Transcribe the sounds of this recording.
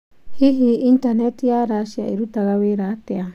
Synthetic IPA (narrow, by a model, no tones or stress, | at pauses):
hiɦiintanetjaɾaʃia̰iɾutaɣaweɾatea